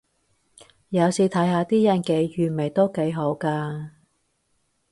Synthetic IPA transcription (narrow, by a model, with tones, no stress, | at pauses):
jɐ˨˧wsiː˨˧t̪ʰɐ˨˥jɦaː˧t̪iː˥jɐ˨˩nke˨˧jjyː˨˩nme˨˩jt̪o˥wke˨˧jɦo˨˥wkaː˧